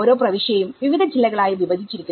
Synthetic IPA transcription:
oːɾo̞ːprɐʋiʂɐɐjumʋiʋid̪ʱɐd͡ʑilːɐɣɐɭaːjiʋiʋɐd̪ʱit͡ɕːiɾikʲu

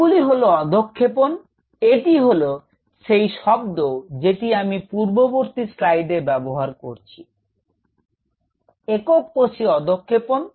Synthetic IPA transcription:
uliɦoloɔd̪ʱokʰːepon | eʈiɦolo | ʃejʃɔb̚d̪od͡ʑeʈiamipuɾboboɾt̪isɾajɖeɾbɛboɦaɾkoɾt͡ɕʰi | ekok̚poʃiɔd̪okʰːepon

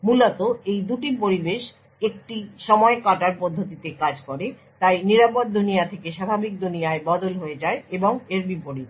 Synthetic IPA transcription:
mulot̪oejd̪uʈipoɾibeʃ | ek̚ʈiʃɔmɔekaʈaɾpod̪ʱːot̪̬it̪ekad͡ʑkoɾe | t̪ajniɾapod̪ːunijat̪ʰekeʃabʱabik̚d̪ʱunijaebɔd̪olɦoed͡ʑaeeboŋeɾbipoɾi

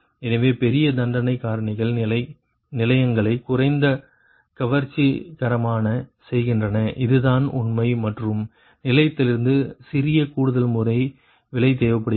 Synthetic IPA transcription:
ɛnɐʋeːpɛɾɪjɐd̪ɐɳɖɐnɐɪkːaːɾɐɳɪɣɐɭɐ | nɪlɐjɐŋɡɐɭɐɪkːʊrɐɪnd̪ɐ | kɐʋɐɾt͡ʃːikɐɾɐmaːnɐsɛjɣɪndrɐnɐʔɪðɯðaːnʊ̰nmɐɪmɐʈrɯm | nɪlɐjɐt̪ːɪlɪɾɯnd̪ɯsɪɾɪjɐkuːɽɯðɐlmʊrɐɪ | ʋɪlɐɪt̪eːʋɐpːɐɽ

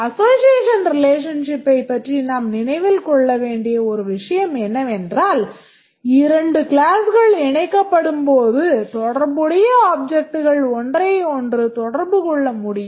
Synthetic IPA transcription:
ɐsoːsɪjeːʂɐnɾɪleːʂ̬ɐnʂɪpːɐɪpːɐʈrinaːmnɪnɐɪʋɪlkɔɭːɐʋeːɳɖɪjɐɔɾɯʋɪʂɐjɐmɛnːɐɛndraːl | ɪɾɐɳɖɯklaːsɣɐɭɪɳɐɪkːɐpːɐɽɯmpoːðɯt̪ɔɽɐɾbɯɽɐjɐaːb̚d͡ʒɛk̚ʈɯɣɐɭɔndrɐɪɔndrɯt̪ɔɽɐɾbɯkɔɭːɐmʊɽɪjɯm

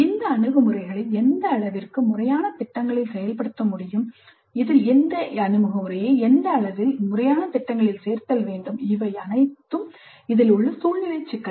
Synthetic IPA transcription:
ɪnd̪ɐːɳɯɣɐmɯɾɐɪɣɐɭɪlɛnd̪ɐːɭɐʋɪrkɯmʊrɐjaːnɐt̪ɪʈːɐŋɡɐɭɪlsɛjɐlpɐɽɯt̪ːɐmʊɽɪjɯm | ɪðɪlɛnd̪ɐɐnɯmɯɣɐmɯɾɐjeɛnd̪ɐːɭɐʋɪlmʊrɐjaːnɐt̪ɪʈːɐŋɡɐɭɪlseːɾt̪ɐlʋeːɳɖɯmɪʋɐɪɐnɐɪt̪ːɯm | ɪðɪlʊɭːɐsuːlnɪlɐɪt͡ʃːɪkːɐ

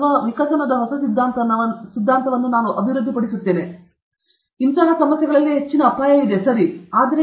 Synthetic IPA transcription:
ɐʋikɐsɐnɐd̪ɐɦɔsɐsid̪ʱːaːnt̪ɐsid̪ʱːaːnt̪ɐʋɐnːunaːnuʔɐbʱiɾud̪ʱːipɐɽisut̪ːe̞ːne | int̪ɐɦɐsɐmɐsjɐɡɐɭɐlːiɦe̞t͡ʃːinɐːpaːjɐid̪esɐɾiaːd̪ɐɾe

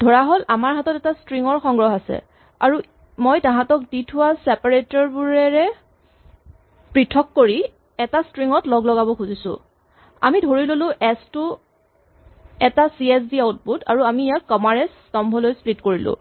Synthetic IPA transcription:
d̥ʱɔɹaɦolamaɹɦatɔtɛtastɹiŋɔɹxɔŋɡɹɔɦasɛ̰ | a̰ɹu | mojtãɦãtɔk̚ditʰʊwasɛpaɹetɔɹbuɹɛɹɛ | pɹitʰɔkːoɹi | ɛtastɹiŋɔtlɔɡlɔɡabɔkʰuzisʊ̰̃ | a̰midʱoɹilolʊ̃ʔɛstʊ | ɛtasiɛs̬biaut̚buta̰ɹuamiːjakːɔmaɹɛstɔmbʱɔlojsplitkoɹilʊ̰̃

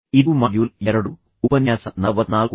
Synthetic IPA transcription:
id̪umɐɖjuːljeɾɐɽu | upɐnjaːsɐnɐʋɐd̪naːlku

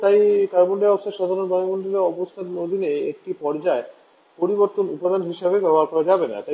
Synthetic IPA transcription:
t̪ajkaɾboɳɖeɾɔbosʰaɾʃɔd̪ʱaɾonbajmond̪ɾileɔbost̪ʰat̪nod̪ʱineek̚ʈipɔɾd͡ʑae | poɾiboɾt̪onupad̪ʱanɦiʃebebɛoɦaɾkɔɾad͡ʑabena̰t̪aj

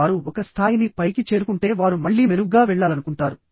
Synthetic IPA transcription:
aɾuɔkɐst̪ʰaːjinipɐjkit͡ʃe̞ːɾukuɳʈe̞ːʋaːɾumɐɭːiːmeɾuɡaːʋɛɭːaːlɐnukuɳʈaːɾu

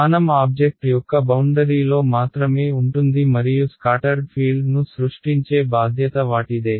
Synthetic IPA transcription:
aːnɐmaːb̚d͡ʒek̚ʈjɔkːɐbɐwɳɖɐɾiːlo̞ːmaːt̪ɾɐme̞ːuɳʈund̪imɐɾijuskaːʈɐɾɡpʰiːlɖnusɾuʂʈiɲt͡ʃe̞ːbaːd̪ʱjɐt̪ɐʋaːʈid̪e̞ː

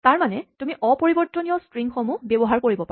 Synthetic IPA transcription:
taɹmanɛtumiʔɔpoɹibɔɹtɔniɔstɹiŋxɔmubebɔɦaɹkoɹibɔpa

